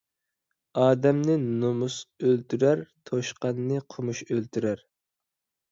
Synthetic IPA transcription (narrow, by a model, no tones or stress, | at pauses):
ɑːd̪ɛmnɪnomusølt̪yɾæɾt̪ʰoʃqɑnːɨqʰʊmuʃølt̪ʰyɾæɾ